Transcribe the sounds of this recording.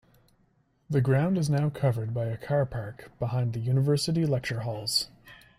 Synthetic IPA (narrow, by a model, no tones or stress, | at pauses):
ðɨɡɹãʊ̃ndɨznaʊkʰʌvə˞d̚baɪɨkʰɑɹpʰɑɹkb̥əhãɪ̃nðɨjʉnəvɜ˞sɨɾilɛk̚t͡ʃə˞ɦɔlˠz̥